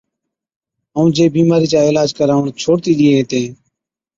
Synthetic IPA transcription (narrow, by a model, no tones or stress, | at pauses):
əũːd͡ʒeːbiːmaːɾiːt͡ʃaːeːlaːd͡ʒkəɾaːʋɳt͡ʃʰoːɽt̪iːɗ̪ɪːeːɦẽːt̪ẽː